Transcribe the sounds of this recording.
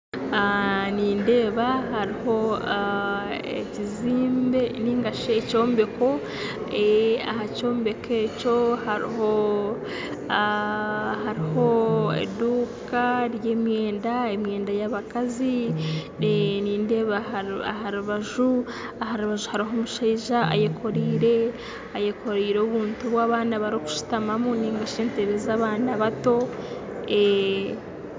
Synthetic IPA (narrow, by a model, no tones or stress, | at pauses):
niːnde̞ːβahaɾiho̞ | ḛciziːmbe̞niːŋɡaʃeːco̞ːmbe̞ko̞ | ea̰haco̞ːmbe̞ke̞ːco̞haɾḭho | haɾiho̞ḛduːkaɾje̞ːmje̞ːndaemje̞ːndajaβakazi | eniːndeβahaɾuβaʒu | ahaɾuβaʒuhaɾiɦo̞muʃaiʒaa̰jekʰo̞ɾiːɾe̞ | ajekʰo̞ɾiːɾeβuːntuβwaːβaːnaβaɾiku̥ʃu̥tamamuniːŋɡaʃeːnteɾezaːβaːnaβato̞ | e